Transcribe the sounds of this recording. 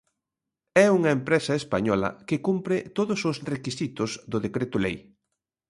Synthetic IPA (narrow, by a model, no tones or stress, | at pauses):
ɛuŋɐempɾesɐespaɲɔlɐ̰kɪkumpɾɪt̪oðʊsʊsrekisit̪ʊzðʊðekɾet̪ʊlej